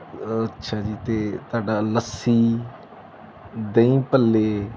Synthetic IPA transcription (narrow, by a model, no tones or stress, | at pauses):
ətːʃʰaːd͡ʒiːt̪eːt̪oaːɖaːləsiː | d̪ə̃ĩːpəlːeː